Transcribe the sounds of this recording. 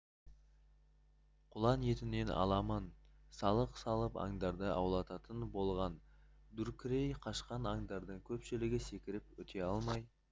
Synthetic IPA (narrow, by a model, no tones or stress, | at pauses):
qʰʊlˠɑnje̞t̪ɪne̞nʔɑ̰lˠɑmənsɑlˠəqsɑlˠəpɑ̰ŋd̪ɑɾd̪əʔɑ̰wlˠɑt̪ɑt̪ənbo̞lˠʁɑn | d̪ʉɾkʲʰɪɾejqʰɑʃqɑnɑŋd̪ɑɾd̪əɴkʲʰɵpʃɪlɪɡʲɪse̞kʲɪɾɪpwɵt̪ʰe̞ɑlˠmɑj